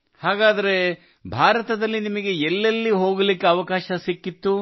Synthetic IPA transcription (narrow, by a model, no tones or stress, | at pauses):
haːɡaːd̪ɐɾe̞ | bʱaːɾɐt̪ɐd̪ɐlːinimɐɡe̞elːɐlːiɦo̞ːɡɐlikːeɐʋɐkaːʃɐsikːit̪ːu